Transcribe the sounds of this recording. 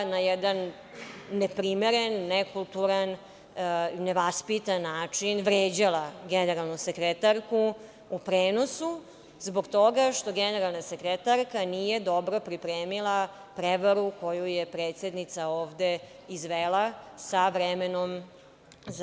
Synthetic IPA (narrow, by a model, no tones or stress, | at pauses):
najɛd̪anː | epɾimeɾenːekulˠt̪uɾan | neʋaspit̪anːaːt͡ʂinʋɾeːd͡ʑalaɡeneɾalˠnusekɾet̪aɾku | upɾeːno̞su | zbo̞ɡt̪o̞ɡaʃt̪o̞ɡeneɾalˠnasekɾet̪aɾkaniːje̞d̪o̞bɾo̞pɾipɾeːmilˠa | pɾeʋaɾuko̞jujepɾeːt̪se̞d̪nit̪saoːʋd̪e | izʋelˠasaʋɾemeno̞m | z